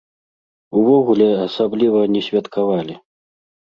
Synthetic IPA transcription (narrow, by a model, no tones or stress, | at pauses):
uvɔɣulʲɛasablʲivɐnʲɛsʲvʲat̪kavalʲi